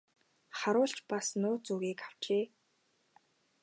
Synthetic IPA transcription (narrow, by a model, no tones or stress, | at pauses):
χaɾʊːɬt͡ɕpasnʊːt͡suːɣiːkaw̥t͡ɕeː